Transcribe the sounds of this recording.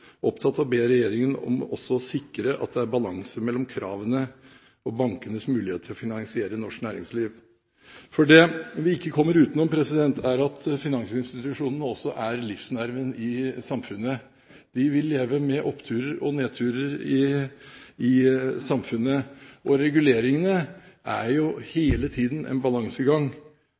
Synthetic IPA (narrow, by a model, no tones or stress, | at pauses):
ʔɔpt̪ʰɑt̪ːɑʋbeːɾɛjeːɾɪŋənɔ̰mʔɔsːɔsɪkːɾəʔɑ̰t̪̚d̪ɛæɾbɑlɑŋsəmɛlːɔmkʰɾɑːʋənə | ɔbɑŋkənəsmʉːɪheːt̪ʰːɪlɔfɪnɑŋsɪeːɾənɔʂknæːɾɪŋsliːʋ | fɔɖɛʋɪɪkːəkʰɔmːəɾʉːt̪ənɔmpʰɾɛsɪd̪ɛnt̪ʰæɾɑt̪fɪnɑŋsɪnst̪ɪt̪ʉʂuːnənəɔsːɔʔæɾlɪfsnæɾʋənɪsɑmfʉnːə | d̪̥ɪʋɪlːeːʋəmɛʔɔpːt̪ʰʉːɾəɾɔneːt̪ʰʉːɾəɾɪ | ɪsɑmfʉnːəʔɔɾɛɡʉleːɾɪŋənəʔæ̰ɾjʊheːlət̪ʰiːd̪n̩ʔɛ̰nbɑlɑŋsəɡɑŋ